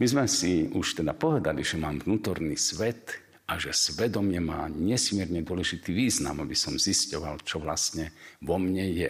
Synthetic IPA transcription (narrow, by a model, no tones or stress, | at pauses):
mizmɛsiuʃt̪ɛd̪apɔʋɛd̪aliʒɛmaːmvnuːt̪ɔɾniːsʋɛt̪ | ʔaʒɛsʋɛd̪ɔmɪɛma̰ːɲɛsmɪɛɾɲɛd̪ʊɔlɛʒit̪iʋiːzna̰mabisɔmziscɔʋa̰lt͡ʃɔʋlasɲɛʋɔmɲɛjɛ